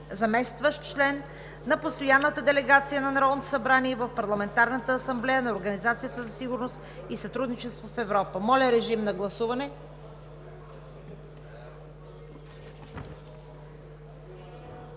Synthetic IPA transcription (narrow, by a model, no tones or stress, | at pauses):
zɐmɛst̪vəʃt̪t͡ʃlɛnː | ɐpost̪ojanːət̪əd̪ɛlɛɡat̪sijənɐnɾɔvnt̪osɐbɾaniɛvəfpɐɾlˠɐmɛnt̪aɾnət̪əːsɐmblɛjənɐoɾɡɐnizat̪sijət̪əzɐsiɡʊɾnost̪isɐt̪ɾud̪nit͡ʃɛst̪vofɛvɾɔpəmɔlʲɐɾɛʒimnɐɡlˠɐsuvɐnɛ